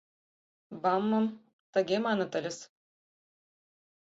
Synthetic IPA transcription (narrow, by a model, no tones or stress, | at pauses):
bɑmːɤ̆m | t̪ə̆ɡʲemɑnɤ̆t̪ə̆lʲɘ̆s